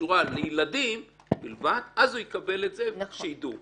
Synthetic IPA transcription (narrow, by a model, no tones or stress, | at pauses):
uʁalejiladim | bilvadazujekabe̞le̞tzeʃejidu